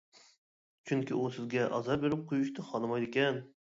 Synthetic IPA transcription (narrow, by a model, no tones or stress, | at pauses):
t͡ʃʰyŋkʲiusɪzɡʲɛʔɑ̰zɑɾbeɾɪp̚qʰojuʃt̪ʰɨχɑlˠɨmɑjd̪ɪkʲɛn